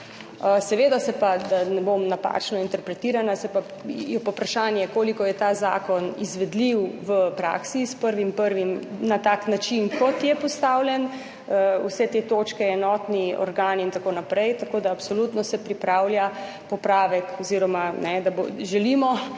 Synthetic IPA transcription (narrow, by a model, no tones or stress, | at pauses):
əsɛʋeːd̪asɛpad̪anɛbomnapa̰ːt͡ʃnɔint̪ɛɾpɾɛt̪iːɾanasɛpa | jɛpapɾaʃaːnjɛkoːlikɔjɛt̪aːza̰ːkɔnḭzʋɛd̪liwʋəpɾa̰ːksispəɾʋimpəɾʋimnat̪aːknat͡ʃinkɔt̪jɛpɔst̪aːwlʲjɛn | əwsɛt̪et̪oːt͡ʃkɛɛnɔːt̪niɔ̰ɾɡaːnint̪akoːnapɾɛjt̪akod̪aːpsolut̪nɔsɛpɾipɾaːwlja | pɔpɾaːʋɛkɔziɾɔmanɛd̪aboʒɛlimɔ